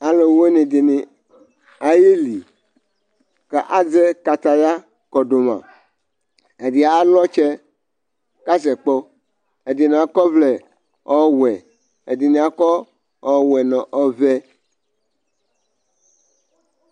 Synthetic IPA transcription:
a˨le˨wo˦nĩ˨d̪i˨nĩ˨ | a˨ji˦li˨ | kɛ˦ʔa˦d͡zɛ˦ka˨t̪a˦ja˦ | kɔ˨ɖo˨mã̰˨ | e˨di˨a˨˦lɔ˦t͡ʃɛ˦ | ka˦sɛ˨k͡pɔ˦ | e˨di˨nĩ˨a˨kɔ˦vlɛ˨ | ɔ˦wɛ˨ | e˨di˨nĩ˨a˨kɔ˦ | ɔ˨wɛ˨nɔ̃˨ʔɔ˦vɛ˦

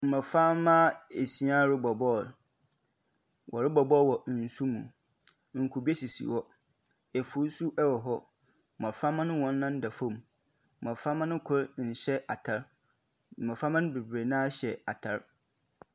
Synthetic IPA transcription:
m̩˨mã˨fa˦mã˦e˨si˦ã˦ɾɪ˦bɔ˨bɔ˦˨ | wʔɔ˨ɾɪ˦bɔ˨bɔ˦˨wɔ˨n̩˨su˦mũ˨˦ | ŋ̩˨kʰʊ˨bi˦e˦si˨sḭ˨wɔ˦ | ɛ˨fu˨˦su˦ʔɛ˦wɔ˨ɦɔ˦˨ | mã˨fa˦mã˦nʊ̃˦wɔ̃˨˦nː˦ã˦n˦da˨fõ˦˨m˨ | m̩˨mã˨fa˦mã˦nʊ̃˦kʰʊ˦ɾn̩˨ɕɛ˦ʔa˨tʰa˦ɾ̩˨ | ã˨fa˦mã˦nʊ̃˦be˨bɾe˨nã˦ɕɛ˨a˨tʰa˦ɾ

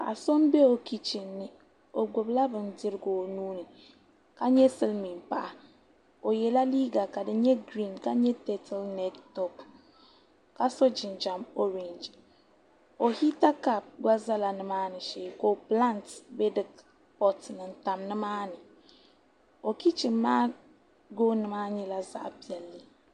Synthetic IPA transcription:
a̰˨so˦mbɛ˦o˨ki˦t͡ʃi˨nːɨ˦ | o˨ɡʊ˨bla˦bɨ˨ndɨ˦ɾɨ˦ɡo˨nuː˦nɨ˨ | ka˦ɲɛ˦sɨ˦lmi˨npa˦ʔa˨ | o˨jɛ˨la˦liː˦ɡa˨ka˨dɨ˦ɲɛ˦ɡɾi˦˨nka˦ɲɛ˦tɛ˦tʰa˦lnɛ˦ttɔ˦p | ka˦so˦d͡ʒɪ˨nd͡ʒa˨mo˦ɾe˨nd͡ʒ | o˨hi˦ta˦ka˨p̚ɡʷa˦za˦la˨nɨ˦maː˦nɨ˨ʃeː˨ko˦pla˦˨ntbɛ˦dɨ˦˨k | pɔ˦tnɨ˨nta˨mnɨ˦maː˦nɨ˨ | o˨ki˦t͡ʃɨ˨mːaː˦ | ɡoː˦nɨ˨maː˦ɲɛ˦la˦za̰˦ʔpi˨ɛ˨lːɨ˦

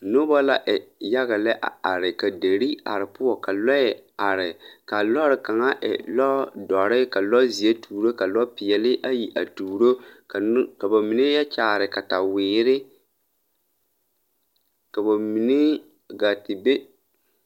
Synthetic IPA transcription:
nʊ˦ba˦la˦ʔɛ˨ja˦ɣa˨lɛ˦ʔa̰˨a˨ɾɪ˨ka˨de˨ɾi˦a̰˨ɾɪ˨pʊ˦ɔ˨ka˨lɔ˦ɛ˨a˨ɾɪ˨ka˨lɔ˦ɾɪ˨ka˨ŋa˦ʔɛ̰˨lɔ˦dɔ˨ɾɪ˦ka˨lɔ˦zi˨e˦tʰuː˨ɾo˦ka˨lɔ˦pɪ˨jɛ˨lɪ˦ʔa˦ji˨ʔa̰˨tuː˨ɾo˦ka˨˦ka˨ba˨mi˨ne˦ja˦t͡ʃaː˨ɾɪ˨ka˨ta˨wɪː˨ɾɪ˦ | ka˨ba˨mi˨ne˦ | ɡa˨tɪ˨be˦

